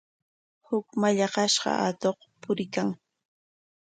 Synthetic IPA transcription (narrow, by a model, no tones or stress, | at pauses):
hʊkmaʎɑɢɑʃɢɑ̰ʔat̪oχpʊɾɪkaŋ